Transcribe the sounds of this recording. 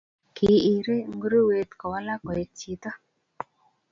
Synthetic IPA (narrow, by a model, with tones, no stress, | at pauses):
kʰi˨i˨ɾi˦˨ŋ˦ɡu˦ɾu˦we˨t̪kɔ˨wa˦la˦kɔ˨je˨t͡ʃi˨t̪a˦